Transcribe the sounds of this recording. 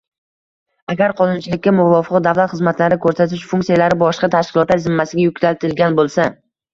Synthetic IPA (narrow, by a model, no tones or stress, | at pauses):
aɡʲaɾqʰɒnʊnt͡ʃʰɪlɪkʲːamʊvɒfɨqd̪avlat̪χɨzmat̪laɾɪkʰɵɾsat̪ʰɪʃfʊŋʲktsijalaɾɪbɒʃqɑt̪ʰaʃkʲɪlˠɒt̪laɾzɪmːasɪɡʲajʊkʲlalt̪ɪlɡʲanbolˠsa